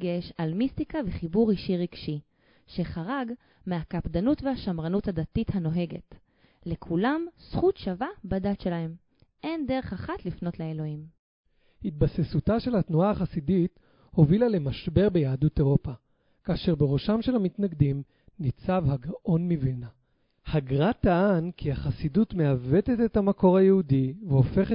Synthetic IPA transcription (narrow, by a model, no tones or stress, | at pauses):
ɡeʃalmist̪ikaveχibuʁiʃiʁiɡ̥ʃi | ʃe̞χaʁaɡ | meakapdanutvehaʃamʁanuthadatithano̞ɦe̞ɡe̞̰t | le̞kʰulamsχutʃavabadatʃe̞lahe̞m | ʔe̞nde̞ʁe̞χaχatlifno̞tleelo̞him | hit̪̚basesutaʃe̞lhatnuaːχasidit | ho̞vilale̞maʃbe̞ʁbe̞jaːdute̞ʁopa | kaːʃe̞ʁbeʁo̞ʃamʃe̞lhamit̪naɡd̪im | nit͡savhaɡaʔo̞nmivilna | haɡʁat̪aankʰiaχasidutmeave̞tetethamako̞ʁhajehudiveo̞fe̞χe